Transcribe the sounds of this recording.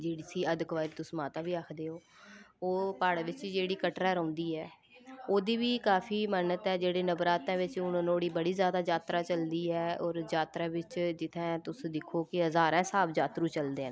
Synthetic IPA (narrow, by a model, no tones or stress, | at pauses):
d͡ʒeːɽisiːəd̪kʋaːɾt̪ʊsmaːt̪aːbiːakʰd̪eːoːoːpaːɽaʋɪt͡ʃd͡ʒeːɽiːkəʈɾɛ̃ːɾə̃ːnd̪iːɛː | oːd̪iːʋiːkaːpʰiːmənət̪ɛːd͡ʒeːɽeːnəbɾaːt̪ãːʋɪt͡ʃʊnnoːɽiːbəɽiːzjaːd̪aːd͡ʒaːt̪ɾaːt͡ʃəld̪iːɛːɔːɾd͡ʒaːt̪ɾãːʋɪt͡ʃd͡ʒɪt̪ʰɛ̃ːt̪ʊsd̪ɪkʰoːkɪɦəzaːɾɛ̃ːsaːbd͡ʒaːt̪ɾũːt͡ʃəld̪eːɦən